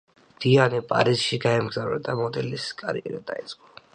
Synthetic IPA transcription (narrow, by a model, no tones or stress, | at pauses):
d̪̥ianipʼa̰ɾisʃiɡaɛmɡzavɾa̰d̪amɔd̪ɛliskʼaɾiɛɾad̪ait̪sʼqʼɔ̥